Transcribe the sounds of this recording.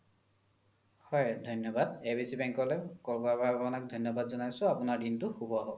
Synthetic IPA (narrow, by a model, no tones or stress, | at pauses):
hɔjdʱɔjnːɔbadebisibɛŋkɔlɛkɔɹɡabababɔnak̚dʱɔjnːɔbadzɔnajsʊ̃apʊnaɹdintʊxubɔaɦɔ